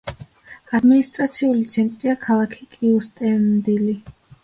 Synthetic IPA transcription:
ad̪minist̪ʼɾat̪sʰiulit̪sʰɛnt̪ʼɾiakʰalˠakʰi̥kʼiust̪ʼɛnd̪ili

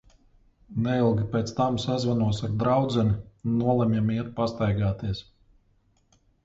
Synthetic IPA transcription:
nɛilˠɡʲipʲet̪st̪amsazvanuɔsaɾd̪ɾawd̪zɛnʲinːuɔlˠɛmjɛmiɛt̪past̪ajɡaːt̪iɛs

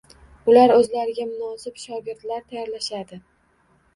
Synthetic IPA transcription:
bʊlaɾɵzlaɾɪɡʲamʊnɒsɪpʃɒɡʲɪɾd̪laɾt̪ʰajɒɾlaʃad̪ɪ

